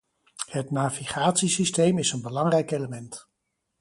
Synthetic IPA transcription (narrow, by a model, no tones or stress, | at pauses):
hətnaːviχaːtsisistejmɪsənbəlɑŋrɛjkejləmɛnt